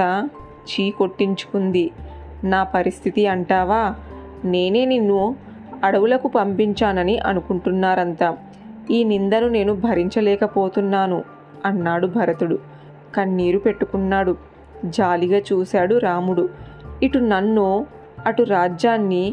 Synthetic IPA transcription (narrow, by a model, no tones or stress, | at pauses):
a | t͡ʃiːko̞ʈːiɲt͡ʃu̥kund̪i | naːpɐɾist̪ʰit̪iɐɳʈaːʋaː | ne̞ːne̞ːninːu | ɐɽɐʋulɐkupɐmpiɲt͡ʃaːnɐniʔɐ̰nukuɳʈunːaːɾɐnt̪aː | iːnind̪ɐnune̞ːnubʱɐɾiɲt͡ʃɐlɛːkɐpo̞ːt̪unːaːnu | ɐnːaːɽubʱɐɾɐt̪uɽu | kɐnːiːɾupe̞ʈːukunːaːɽu | d͡ʒaːliɡaːt͡ʃuːsaːɽuɾaːmuɽuiʈunɐnːu | ɐʈuɾaːd͡ʒaːnːi